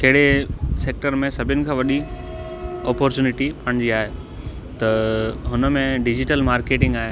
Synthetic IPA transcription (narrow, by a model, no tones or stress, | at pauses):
kɐɦɪɽeseːk̚ʈəɾmẽsɐbʱɪnɪ̆kʰãːʋɐɗi | ɔːpɔːɾt͡ɕuːnɪʈipaɽ̃ɪ̃ɲd͡ʑiaːɦe | t̪ɐɦʊnəmẽɖɪd͡ʑɪʈəlmaːɾkeːʈɪ̃ŋɡaːɦe